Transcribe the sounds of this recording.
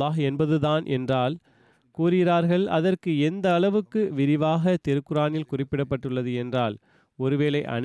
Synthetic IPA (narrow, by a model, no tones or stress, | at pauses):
aːɦɛnbɐðɯðaːnʔɛ̰ndraːl | kuːɾɪɾaːɾɣɐɭɐ̰ðɐrkɯɛnd̪ɐːɭɐʋɯkːɯʋɪɾɪʋaːɣɐt̪ɪɾɯkːɯɾaːnɪlkʊrɪpːɪɽɐpːɐʈːɯɭːɐðɯɛndraːl | ɔɾɯʋeːlɐɪʔɐ̰n